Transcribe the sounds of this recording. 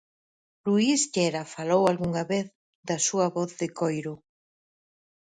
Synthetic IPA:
luist̪ɛɾɐfalowalɣuŋɐβeθ | ðɐsuɐβɔθðɪkojɾʊ

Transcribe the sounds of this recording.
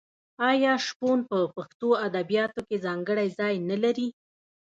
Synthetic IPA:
ɑjɑʃponpəpaxt̪oad̪abijɑt̪okezɑŋɡəɽajzɑjnalaɾi

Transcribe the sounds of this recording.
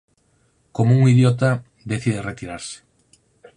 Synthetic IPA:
komouŋiðjɔt̪̬a | d̪eθið̞eret̪iɾaɾsɪ̥

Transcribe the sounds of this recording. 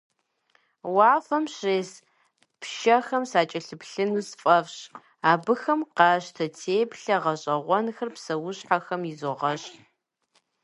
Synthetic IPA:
wɑːfɐmɕreːs | pʃɐxɐmsaːt͡ʃʼɐɬɨpɬɨnusfʼɐfɕ | aːbɨxɐmqɑːɕtʰɐtʰeːjpɬɐʁɐɕʼɐʁʷɔnxɐrpsɐwʊɕħaxɐmjɪzoʁɐɕ

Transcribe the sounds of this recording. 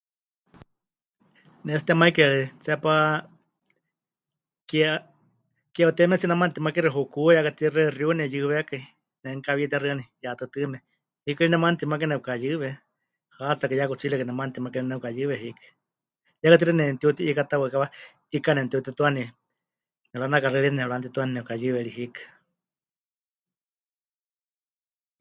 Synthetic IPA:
nɛs̬t̪ɛmaikeɺɛt͡sɛpa | k | kaut̪ɛmɛt͡sinamant̪imakiɾiɦukujakat̪irerjunɛjɨβekai | nɛŋkaβit̪iaɾɨanijat̪ɨt̪ɨmɛ | hikainɛmant̪imak̬enɛukajɨβɛ | hat͡sakɨjakut͡silɛkɨnɛmant̪imakiɾinɛukajɨβɛɦikɨ̥ | jakat̪̬iɾɛnɛnt̪iut̪iʔikat̪awakaβa | ikanɛnt̪iut̪it̪uani | nɛɺanakaɾɛɺinɛɺant̪it̪uaninɛkajɨβɛɺiɦikḁ

